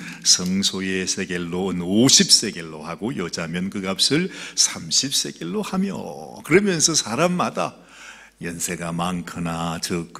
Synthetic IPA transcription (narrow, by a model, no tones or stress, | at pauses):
sʰʌŋsʰojesʰeɡe̞ɭːoɯnoɕʰip̚s͈e̞ɡe̞ɭːohaɡojʌd͡ʑamjʌnkɯɡap̚s͈ɯɭsʰamɕʰip̚s͈e̞ɡ̥eɭːohamjʌ̰kɯɾʌmjʌnsʰʌsʰaɾamːada̰ | jʌnsʰeɡamankʰɯnatɯk